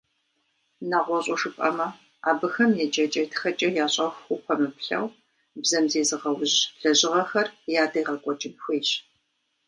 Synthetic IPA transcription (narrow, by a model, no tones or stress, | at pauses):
naːʁʷɔɕʼɔʂɨpʼɐ̰mɐ | a̰ːbɨxɐmjɛt͡ʃʼɐt͡ʃʼɐtʰxɐt͡ʃʼɐjaːɕʼɐxʷxʊpʷʰɔmɨpɬɐ̰w | bzɐmzeːzɨʁɐwʑɬɐʑɪʁɐxɐrjaːdɐjʁɐkʷʼɔt͡ʃʼɪmxʷiːɕ